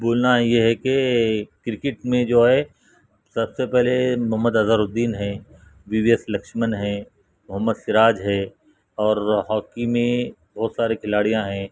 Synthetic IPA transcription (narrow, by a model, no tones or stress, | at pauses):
boːlnajeɦɛkekɾɪkɪʈmẽd͡ʒoːɦɛ | sɐbsepɛɦlemʊɦəmːəd̪ɐzəɾʊd̪ːiːnɦɛ̃ː | ʋiʋijəslɐkʃmənɦɛ̃ | mʊɦəmːəd̪sɪɾaːd͡ʒɦɛ̃ | ɔːɾɦɔːkimẽ | bɔːt̪saːɾekʰɪlaːɽijãɦɛ̃ː